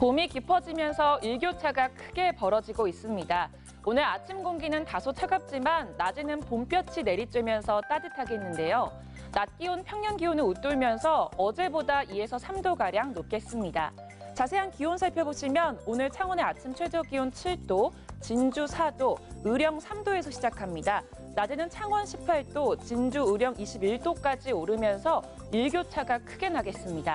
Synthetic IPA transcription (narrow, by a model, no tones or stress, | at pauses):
pomikipʰʌd͡ʑimjʌnsʰʌiɭɡjot͡ɕʰaɡakʰɯɡe̞pʌɾʌd͡ʑiɡois͈ɯmɲida | onɯɾat͡ɕʰimɡoŋɡinɯntasʰot͡ɕʰaɡap̚t͡ɕ͈imanːad͡ʑinɯnpomp͈jʌt͡ɕʰine̞ɾit͡ɕ͈wemjʌnsʰʌt͈adɯtʰaɡe̞nːɯnde̞jo | nat̚k͈ionpʰjʌŋɲʌnɡionɯut͈uɭmjʌnsʰʌʌd͡ʑe̞bodaʔie̞sʰʌsʰamdoɡaɾjaŋnop̚k͈e̞s͈ɯmɲida̰ | t͡ɕasʰe̞ɦankiwonsʰaɭpʰjʌboɕʰimjʌnonɯɭt͡ɕʰaŋwʌne̞at͡ɕʰimt͡ɕʰwe̞d͡ʑʌɡiwont͡ɕʰiɭt͈o | t͡ɕind͡ʑusʰadoɯɾjʌŋsʰamdoe̞sʰʌɕʰid͡ʑakʰamɲida | nad͡ʑenɯnt͡ɕʰaŋwʌnɕʰipʰaɭt͈ot͡ɕind͡ʑuɯɾjʌŋiɕʰibiɭt͈ok͈ad͡ʑioɾɯmjʌnsʰʌ | iɭɡjot͡ɕʰaɡakʰɯɡe̞naɡe̞s͈ɯmɲida̰